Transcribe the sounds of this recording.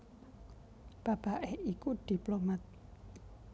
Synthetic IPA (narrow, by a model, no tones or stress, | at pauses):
b̥a̤b̥a̤ʔehikud̥i̤plomat̪̚